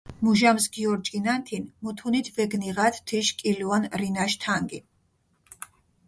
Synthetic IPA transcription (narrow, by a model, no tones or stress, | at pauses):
muʒamsɡiɔɾd͡ʒinant̪ʰinmut̪ʰunit̪ʰvɛɡniʁat̪ʰt̪ʰiʃkʼiluɔnɾinaʃt̪ʰaŋɡḭ